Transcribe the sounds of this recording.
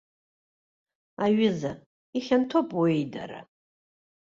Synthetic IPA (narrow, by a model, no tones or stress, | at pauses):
aɥɪza | iχʲantʰopʼwejda̰ɾa̰